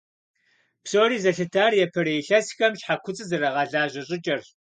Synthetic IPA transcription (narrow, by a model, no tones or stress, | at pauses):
psoːɾiːzɐɬɨtʰaːrjɛpʰɐɾɐjɬɐsxɐmɕħakʷʰʊt͡sʼɨzɐɾɐʁɑɮaːʑʼɐɕʼɪt͡ʃʼɐr